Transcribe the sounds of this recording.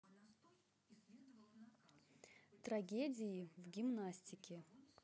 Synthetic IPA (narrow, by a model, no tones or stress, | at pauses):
t̪ɾɐɡʲedʲɪjɪvɡʲɪmnasʲtʲɪkʲɪ